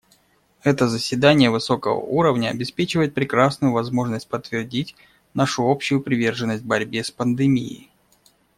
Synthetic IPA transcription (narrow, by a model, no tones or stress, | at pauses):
ɛt̪əzəsʲvʲɪd̪anʲɪjəvɨso̞kəvə̰uɾəvnʲəɐ̰bʲɪspʲet͡ɕɪvəjɪt̪̚pɾʲɪkɾasnʊjʊvɐzmo̞ʐnəsʲt̚ʲpət̪ːvʲɪrdʲitʲ | naʂʊo̞pɕːʊjʊpɾʲɪvʲe̞rʐɨnːəsʲt̚ʲbɐɾʲbʲespənd̪ɨmʲḭɪ̰